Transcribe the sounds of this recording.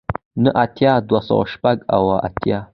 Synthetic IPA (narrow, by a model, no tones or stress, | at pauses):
nəʔatʰjadwasa̰wa̰ʃpaɡa̰waʔa̰tʰija